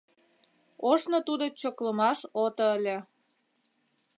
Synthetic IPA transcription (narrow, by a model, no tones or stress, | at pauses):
oʃnot̪ud̪ot͡ɕokləmɑʃot̪oəlʲĕ